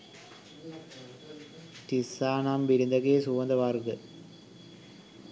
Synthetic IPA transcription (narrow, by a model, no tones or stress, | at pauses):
tisːaːnambiɾind̪ɐkeːsuʋɐnd̪ɐʋarɡə